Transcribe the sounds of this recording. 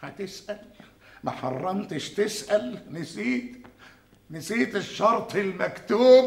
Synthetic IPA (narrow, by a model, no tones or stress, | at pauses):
hæt̪ɪsʔæl | maħɑrˤːɑmt̪ɪʃt̪ɪsʔælnɪsiːt̪ | nɪsiːt̪ɪʃːɑɾˤt̪ˤɪlmækt̪uːb